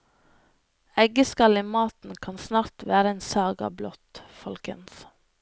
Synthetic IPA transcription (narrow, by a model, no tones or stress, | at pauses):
ɛɡəskɑliːmɑːt̪n̩kʰɑnsnɑːɾt̪ʋæːɾəeːnsɑːɡɑ̰blɔt̪fɔlkə̰ns